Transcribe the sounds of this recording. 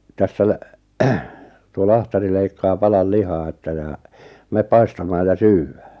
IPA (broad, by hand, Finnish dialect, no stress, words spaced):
tæsːæ læ tuo lɑhtɑri leikːɑː pɑlɑl lihɑː etːæ jɑ meːp pɑistɑmɑːj jɑ syːwːæ̥ː